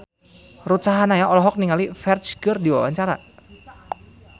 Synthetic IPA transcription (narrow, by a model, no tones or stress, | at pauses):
rut͡ʃaɦanajaʔɔlɔɦɔk̚niŋalifɛrt͡ʃɡɨrdiwa̰wa̰ɲt͡ʃaɾa